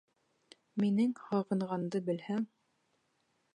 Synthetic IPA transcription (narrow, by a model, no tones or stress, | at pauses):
minɘŋhɑʁɤ̆nʁɑnd̪ɤbɘ̆lhæŋ